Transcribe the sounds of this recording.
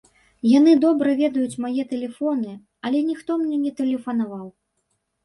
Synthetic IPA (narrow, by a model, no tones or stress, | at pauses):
janɨd̪ɔbɾɐvʲɛd̪ɐjut͡sʲmajɛt̪ɛlʲɛfɔnɨ | ɐlʲɛnʲixt̪ɔmnʲɛnʲɛt̪ɛlʲɛfɐnavaw